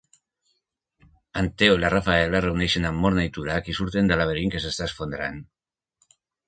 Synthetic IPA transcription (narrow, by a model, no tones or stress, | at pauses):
ant̪eolarafaelarewnejʃenamːo̞ɾnajt̪uɾakisuɾt̪e̞nd̪alaβeɾiŋkesest̪asfond̪ɾan